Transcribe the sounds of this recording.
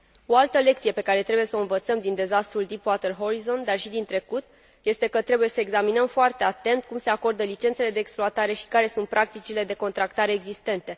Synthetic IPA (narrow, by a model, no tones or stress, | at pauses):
o̞alt̪əle̞kt̪sije̞pe̞kaɾe̞t̪ɾe̞buje̞soɨnvət̪səmd̪ind̪e̞zast̪ɾuld̪ipwat̪erɦo̞ɾizo̞nd̪arʃid̪int̪ɾe̞kut̪̚ | je̞st̪e̞kət̪ɾe̞buje̞səeɡzaminəmfoart̪e̞at̪e̞nt̪̚kumse̞ako̞rd̪əlit͡ʃe̞nt̪se̞le̞d̪e̞ːksploat̪aɾe̞ʃi̥kaɾe̞sunt̪̚pɾʔak̚t̪it͡ʃile̞d̪e̞ko̞nt̪ɾakt̪aɾe̞ːɡzist̪e̞nt̪e̞